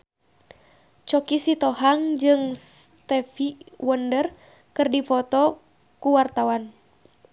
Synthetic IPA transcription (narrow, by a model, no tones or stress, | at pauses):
t͡ʃɔkisit̪ɔhaŋd͡ʒɨŋst̪ɛfiwəndər | kɨrdifɔt̪ɔ | kuwart̪awan